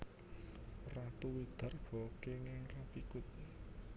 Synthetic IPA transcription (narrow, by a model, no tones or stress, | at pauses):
rat̪uwid̪̥a̤rɡ̥ɔ̤keŋɪŋrapikʊt̪̚